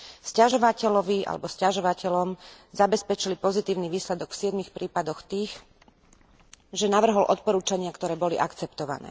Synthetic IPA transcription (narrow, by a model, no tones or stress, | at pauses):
scaʒɔʋacɛlɔʋia̰lɛ̰bɔscaʒɔʋacɛlɔm | zabɛspɛt͡ʃilipɔzit̪iːʊniʋiːslɛd̪ɔɡfsɪɛd̪mixpɾiːpad̪ɔxt̪iːx | ʒɛnaʋr̩ɦɔlʔɔt̪̚pɔɾuːt͡ʃaɲɪakt̪ɔɾɛːbɔliʔakt͡sɛpt̪ɔʋa̰nɛ̰ː